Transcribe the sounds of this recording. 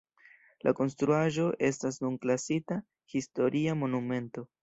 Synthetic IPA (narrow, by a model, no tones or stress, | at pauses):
lʔa̰ko̞ns̬tɾuaʒo̞ʔe̞stas̬nunklasita | histo̞ɾʔiamo̞nume̞nto̞